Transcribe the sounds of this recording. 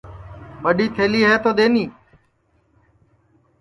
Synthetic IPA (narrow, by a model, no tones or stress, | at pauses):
ɓəɗiːt̪ʰeːliːɦɛːt̪oːd̪eːniː